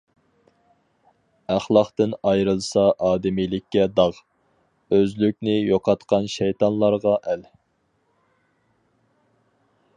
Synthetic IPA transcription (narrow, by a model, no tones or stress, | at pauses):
æχlˠɑqt̪ɨnɑjɾɨlˠsɑʔɑːd̪ɪmijlɪkʲːɛd̪ɑʁ | øzlyk̚ʲnɪjoqʰɑt̪qɑnʃɛjt̪ɑnlˠɑɾʁɑʔɛl